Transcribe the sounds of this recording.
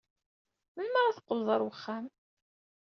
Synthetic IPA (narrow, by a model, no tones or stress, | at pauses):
mənməɾˤaθə̥qːəlðˤəɾˤwəχːæm